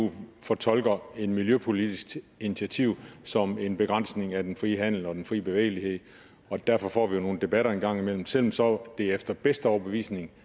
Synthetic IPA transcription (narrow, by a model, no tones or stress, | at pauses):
ṵfɒt͡sʰɒ̽l̰ɡ̥ɐe̝d̥miljøpʰo̝lid̥isɡ̥d̥init͡sʰæt͡sʰiʊ̰sɒ̽me̝nb̥e̝ɡ̥ʁɑ̈n̰sne̝ŋæd̥enfʁiːəɦæn̰l̩ɒ̽d̥enfʁḭːb̥e̝ʋḛːɪlihe̝ð̰ˠ | ɒ̽d̥æɐfɒ̽fɒ̰ːʋijo̝no̝ːn̩d̥e̝b̥æɾɐenɡ̥ɑ̈ŋ̰imel̰m̩sel̰m̩sɒ̽d̥e̝efd̥ɐb̥esd̥əɒʊɐb̥e̝ʋḭːsne̝ŋ